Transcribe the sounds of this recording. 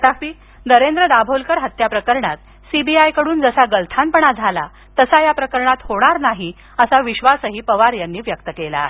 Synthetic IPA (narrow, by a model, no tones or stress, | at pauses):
ʈ̪afiː | d̪əɾend̪ɾəd̪abʱolkəɾɦət̪japɾəkəɾɳa̰t̪̚ | sibiajkəɽuːnd͡zəsaɡəlt̪ʰanpəɳad͡zʱala̰ | t̪əsajapɾəkəɾɳat̪hoɽ̃aɾnaɦi | əsaʋiɕʋasəɦiːpəʋaɾjanːiːʋjəkt̪əkela̰ːɦe